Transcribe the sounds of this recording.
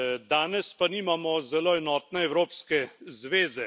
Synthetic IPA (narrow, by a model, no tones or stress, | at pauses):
d̪aːnɛspaniːmamɔzɛloːɛnɔːt̪nɛɛwɾoːpskɛzʋeːzɛ